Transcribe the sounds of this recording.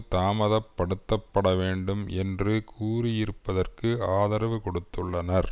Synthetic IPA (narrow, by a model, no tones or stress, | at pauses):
t̪aːmɐðɐpːɐɽɯt̪ːɐpːɐɽɐʋeːɳɖɯmɛndrɯkʰuːɾɪjɪɾɯpːɐðɐrkɯaːðɐɾɐʋɯkɔɽɯt̪ːɯɭːɐnɐɾ